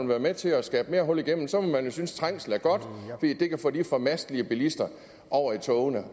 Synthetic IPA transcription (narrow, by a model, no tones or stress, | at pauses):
nʋæːɐmet͡sʰe̝ɒsɡ̥ɛːb̥me̝ːɐɦɔ̽l̰iɡ̥em̰n̩sɒ̽mɒmænjo̝synst͡sʰʁɑŋ̰sl̩æɐɡ̥ɒ̽d̥fɒd̥ḭːd̥e̝kʰæfɔ̰ːd̥ifɒ̽mæsd̥liəb̥ilisd̥ɐ | ʔɒʊ̰ɐit͡sʰɔʊnə